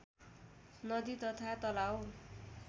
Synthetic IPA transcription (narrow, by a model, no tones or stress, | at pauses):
nʌd̪it̪ʌt̪ʰat̪ʌlaw